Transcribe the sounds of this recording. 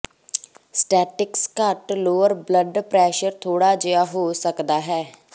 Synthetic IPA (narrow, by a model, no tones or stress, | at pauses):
sʈɛːʈɪkskəʈloːəɾbləɖpɾɛːʃəɾt̪ʰoːɽaːd͡ʒejaːɦoːsəkd̪aːɦɛː